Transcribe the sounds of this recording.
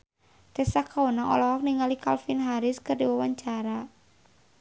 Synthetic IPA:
t̪ɛsakʰaunaŋɔ̰lɔɦɔk̚niŋalikalfinɦaɾɪskɨrdiwawaɲt͡ʃaɾa

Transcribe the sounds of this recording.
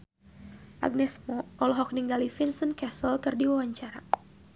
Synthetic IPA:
ʔa̰ɡ̚nɛsmɔʔɔlɔɦɔk̚niŋɡalifinsənkɛsɔlkɨrdiwawaɲt͡ʃaɾa

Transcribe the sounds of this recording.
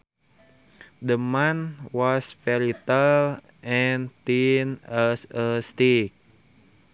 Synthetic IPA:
dəmanwɔsfɛlit̪əl | ʔɛnt̪inasəst̪ik̚

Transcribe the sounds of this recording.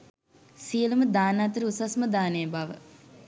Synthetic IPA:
siəluməd̪aːnat̪əɾəusasməd̪aːnejəbaʋə

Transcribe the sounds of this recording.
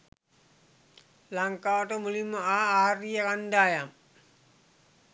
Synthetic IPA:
laŋkaːʋʈəmulimːəaːaːrijakanɖaːjam

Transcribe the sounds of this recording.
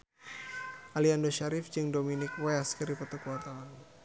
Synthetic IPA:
ʔaliandoʃaɾɪfd͡ʒɨŋdominɪkwɛaskəɾipət̪ukəwart̪awan

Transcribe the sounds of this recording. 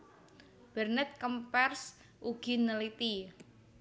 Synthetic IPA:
b̥ɛrnɛt̪̚kəmpɛrs | ʔuɡ̥i̤nəlit̪i

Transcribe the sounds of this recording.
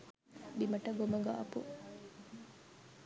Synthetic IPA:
bimɐʈɐɡomɐɡɐʔɐpu

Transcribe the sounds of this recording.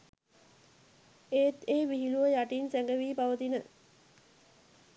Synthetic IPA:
eːt̪eːʋiɦiluʋəjaʈinsæŋɡəʋiːpaʋət̪inə

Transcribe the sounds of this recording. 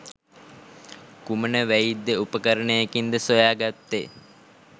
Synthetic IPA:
kumənəʋæjid̪ːeupəkəɾənejekind̪əsojaːɡat̪ːe

